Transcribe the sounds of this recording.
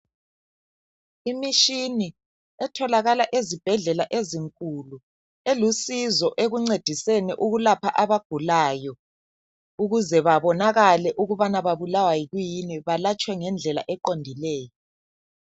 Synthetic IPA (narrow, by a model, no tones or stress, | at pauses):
imiʃini | ɛtʰɔlaɣalaʔezib̥ʱɛɮɛlaʔeziŋkʼulu | elusizɔʔeɣuŋ͡ǀed̥ʱisɛnɛʔuɣulapʰaʔaβaɡ̥ʱulaːjɔ | uɣuzɛβaβɔnaɣalɛʔuɣuβanaβaβulawajiɣujiniβalat͡ʃʼwɛŋɛnd͡ɮʱɛla̰ʔɛǃondʱilɛːjɔ